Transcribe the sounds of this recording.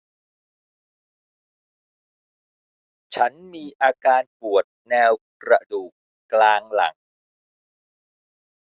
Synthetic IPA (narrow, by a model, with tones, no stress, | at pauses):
t͡ɕʰa˦˥nmiː˧ʔaː˧kaː˧npu˨˩ət̪̚nɛː˧wkɾa˧duː˨˩kːlaː˧ŋla̰˩˦ŋ